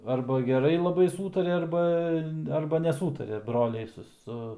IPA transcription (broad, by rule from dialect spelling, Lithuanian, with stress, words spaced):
ɐrbɐ ɡʲɛˈrɐɪ lˠɐˈbɐɪ ˈsuːtɐrʲɛ ˈɐrbɐ ˈɐrbɐ nʲɛˈsuːtɐrʲɛ ˈbroːlʲɛɪ sʊ ˈsʊ